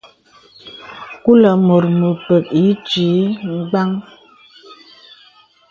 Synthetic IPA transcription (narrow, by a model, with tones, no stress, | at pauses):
ku˦lə˨mo˨ɾmo˨pə˨ki˨˦t͡ʃi˨˦ŋ̩˦ɡ͡ba˦ŋ